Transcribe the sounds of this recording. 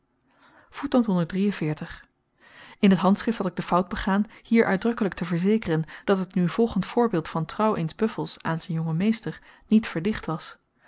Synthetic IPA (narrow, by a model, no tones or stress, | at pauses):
v̥utnowtɦondəɹdrijənvɪːɹtəχ | ɪnɦətɦɑntsχɪftɦɑtɪɡ̚dəfʌwd̚bəχaːnhiːɹʔœ̰ɥdrɵkələktəvəɹzejkərənd̥ɑtɦətnyv̥ɔlˠχəntfʊːɹbɪːlˠtfɑntrʌwʔejnzbɵfəlˠsaːnzɛnjɔŋəmejstəɹnitfəɹdɪχtʋɑs